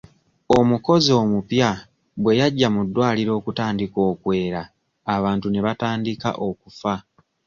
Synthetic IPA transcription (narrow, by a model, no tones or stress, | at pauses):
o̞muko̞zio̞ːmupja | bwe̞jaɟːamudːwaːliɾo̞ːkutaːndiko̞ːkwe̞ːɾaː | βaːntune̞βataːndika̰ʔo̞kufa